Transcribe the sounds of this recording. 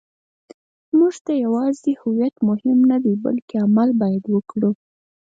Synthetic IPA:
muʐt̪ajawɑzehʊwjat̪mʊhɪmnad̪eba̰lkeamalbɑjad̪wəkɽu

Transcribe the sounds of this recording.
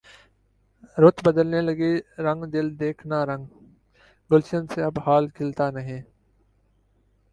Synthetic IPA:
ɾʊt̪bəd̪əlneləɡeɾə̃ŋɡd̪ɪld̪eːkʰnaɾə̃ŋɡ | ɡʊlʃənseɐbhaːlkʰɪlt̪aːnəɦẽː

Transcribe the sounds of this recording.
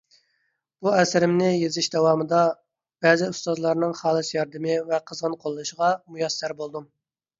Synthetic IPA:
b̥uɛsɪɾɪmnɪjezɪʃd̪ɛwɑːmɨd̪ɑ | b̥ɛzɪust̪ɑzlˠɑɾnɨŋχɑːlˠɨsjɑɾd̪ɪmɪvɛqʰəzʁənqʰolˠːnɨʃəʁɑmujɑsːæɾbolˠd̪um

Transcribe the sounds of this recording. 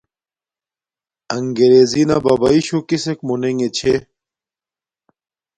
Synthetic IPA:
ɐŋɡeɾezinɐbɐbɐiɕukisekmuneŋet͡ɕʰe

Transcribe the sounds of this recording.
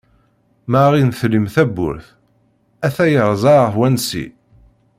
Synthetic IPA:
mæʁinθlimθæbːʊ̰ɾθ | æθæjəʁˤzˤɑɾˤəθwænsḭ

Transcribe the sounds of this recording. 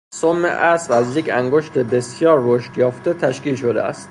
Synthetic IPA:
somːḛʔæsvæzjecʰæŋɡoʃt̪ʰebe̞sjɒːɾːoʃt̪jɒːft̪et̪ʰæʃkiːlʃo̞d̪ḛæ̰st̪

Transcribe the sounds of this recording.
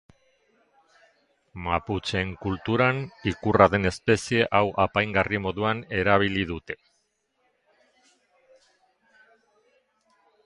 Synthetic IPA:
maput͡se̞ŋkult̪uɾanikuraðe̞ne̞spe̞sie̞ʔawʔapajŋɡarimo̞ðuane̞ɾaβ̞iliðut̪e̞̥

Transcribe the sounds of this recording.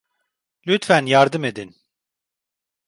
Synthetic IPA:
lʲyt̪fænjaɾd̪ɯme̞d̪in

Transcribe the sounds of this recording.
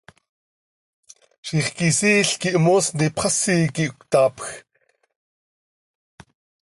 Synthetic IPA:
ʃiχkisiːɬkiʔmoːsnipχasiːkiʔkʷt̪aːpx

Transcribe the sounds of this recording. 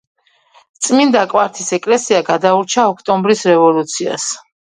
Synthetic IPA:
t̪sʼmind̪akʼwaɾt̪ʰisɛkʼlɛsiaɡad̪auɾt͡ʃʰaɔkʰt̪ʼɔmbɾisɾɛvɔlut̪sʰia̰s

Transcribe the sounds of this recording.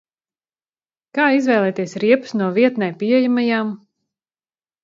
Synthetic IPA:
kaːizvɛːlˠɛːt̪iɛsɾiɛpu̥snuɔviɛt̪nɛjpiɛjamajaːm

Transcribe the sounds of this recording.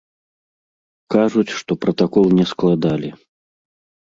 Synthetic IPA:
kaʐut͡sʲʂt̪ɔpɾɐt̪akɔlˠnʲɛsklˠad̪alʲi

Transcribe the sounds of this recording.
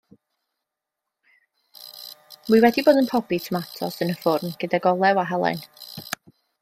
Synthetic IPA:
wiwɛdiboːdənpʰɔbitʰəmatʰɔsənəfʊrmɡ̥ədaɡɔlˠɛwaɦalˠa̰n

